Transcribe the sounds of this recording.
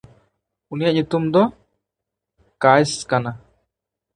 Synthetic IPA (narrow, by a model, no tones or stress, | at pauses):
unijaʔɲut̪umd̪ɔ | kajskana